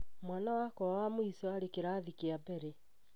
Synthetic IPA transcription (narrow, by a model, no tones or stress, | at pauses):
mwanawakɔawamoisɔaɾekeɾaːðikeabɛɾe